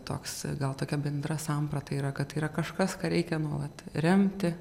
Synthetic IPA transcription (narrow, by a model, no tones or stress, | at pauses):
t̪o̰ːksɡɐlˠt̪oːkʲɛbʲɛnd̪ɾɐsɐmprɐt̪ɐiːɾɐkɐt̪iːɾɐkɐʃkɐskɑːɾʲɛɪkʲɛnuɔʋɐt̪ɾʲɛmʲt̪ʲɪ